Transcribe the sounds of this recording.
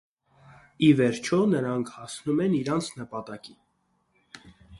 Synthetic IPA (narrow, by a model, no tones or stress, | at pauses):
ivɛɾt͡ʃʰɔnəɾɑŋkʰhɑsnumɛniɾɑnt͡sʰnəpɑt̪ɑki